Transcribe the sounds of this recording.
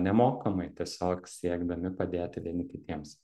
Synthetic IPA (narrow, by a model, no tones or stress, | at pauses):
nʲɛmoːkɐmɐɪt̪ʲiɛsʲoːksʲiɛɡd̪ɐmʲɪpɐd̪ʲeːt̪ʲɪʋʲiɛnʲɪkʲɪt̪ʲiɛms